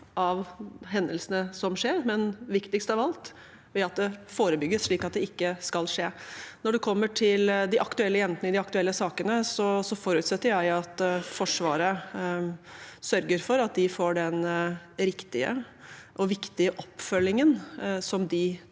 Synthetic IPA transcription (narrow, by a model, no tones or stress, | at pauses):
ʔɑʋɦɛnd̪əlsənəsɔmʂeːɾmɛnʋɪkt̪ɪkst̪ɑʋɑlt̪ | ʋɛɑt̪̚d̪ɛfoːɾəbʏɡːəsʂɭiːkɑt̪̚d̪ɛɪkːəskɑlʂeːnɔɖʉkʰɔmːəʈʰɪld̪ɪʔɑkt̪ʉɛlːəjɛnt̪nəɪd̪ɪɑkt̪ʉɛlːəsɑːkənəsɔsɔfɔɾʉːt̪sɛt̪ːəɾjæɪɑt̪fɔʂʋɑːɾə | sœɾɡəɾfɔɾɑt̪̚d̪ɪfoːɖɛn | ɾɪkt̪ɪə̰ | ʔɔʋɪkt̪ɪəʔɔpːfœlːɪŋənsɔmd̪ɪ